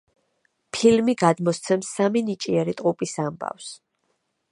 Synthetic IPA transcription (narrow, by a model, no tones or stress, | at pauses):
pʰilmiɡad̪mɔst̪sʰɛmsːaminit͡ʃʼiɛɾit̪ʼqʼupʼisamba̰fs